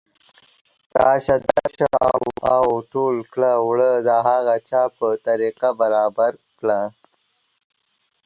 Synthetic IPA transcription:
t̪a̰ːɕad̪aɕawawʈolkɽawɭəd̪aɦaɣat͡ʃapət̪aɾiqabaɾaːbaɾkɽa

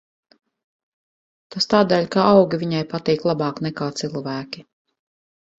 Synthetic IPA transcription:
t̪ast̪aːd̪ɛːʎʲkaʔawɡʲivʲiɲajpat̪iːklˠabɑːknɛkaːt̪silˠvæːkʲi

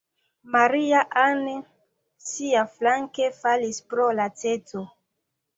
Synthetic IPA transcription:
maɾiaʔane | siaflaŋkefalispɾolat͡set͡so

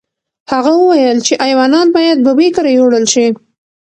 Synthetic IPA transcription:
haɣawəwajəlt͡ʃeʔajwɑnɑnbɑjad̪̚bəbekaɾajoɽəlʃi

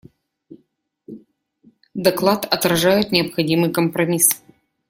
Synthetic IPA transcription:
d̪ɐklˠat̪ɐt̪ɾɐʐajʊt̪nʲɪɐpxɐdʲimɨjkəmpɾɐmʲis

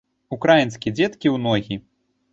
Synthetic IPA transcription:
ukɾajinskʲid͡zʲɛt̪kʲiwnɔɣʲi

